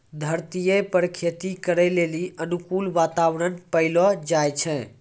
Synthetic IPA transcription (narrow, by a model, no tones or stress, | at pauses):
d̪ʱəɾt̪ijepəɾkʰet̪ikəɾɛleliʔənukulʋat̪awɾənpəɪlɔd͡ʒajt͡ʃʰɛ̃